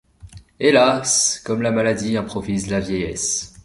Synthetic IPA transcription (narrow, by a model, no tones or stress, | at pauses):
elaskɔmlamalad̪iɛ̃pχɔvizlavjɛjɛs